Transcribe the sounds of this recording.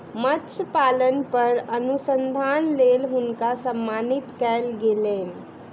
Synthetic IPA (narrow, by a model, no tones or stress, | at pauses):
mətspalənpəɾənusənd̪ʱanlelɦunkasəmːanit̪kɛlɡeleːn